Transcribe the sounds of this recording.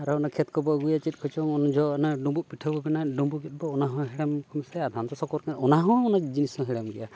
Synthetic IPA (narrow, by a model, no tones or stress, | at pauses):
aɾɔɔnakʰɛt̪kɔbɔɡujat͡ʃit̪̚ˀkʰɔt͡ʃɔŋɔnd͡ʒɔnaɖɔmbupiʈʰabɔbɛnaɖɔmbuɡɛt̪̚bɔːnaɦɔ̃ɦɛɽamkʰɔmɛsɛad̪ʱant̪ɔsɔkɔɾkaɔnaɦɔ̃ɔnad͡ʒinisɔ̃ɦɛɽamɡɛja